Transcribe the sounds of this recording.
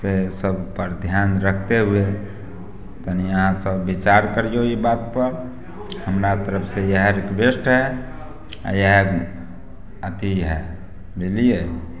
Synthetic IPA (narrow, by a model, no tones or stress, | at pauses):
sesəbʱpəɾd̪ʱjanɾəkʰt̪eɦue | t̪əniəɦãsəbːit͡ʃaɾkəɾjoibat̪pəɾ | ɦəmɾat̪əɾəpʰsejəɦəɾekbesʈɦɛ̰ | jəɦə | ət̪iɦɛ | bilije